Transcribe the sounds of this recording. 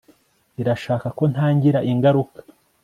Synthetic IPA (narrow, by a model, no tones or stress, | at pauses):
iɾaʃaːkako̞n̥haːɲɟiɾaʔiŋɡaɾukḁ